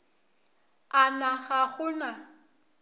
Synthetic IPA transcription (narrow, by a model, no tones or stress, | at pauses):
anaɣaɣʊna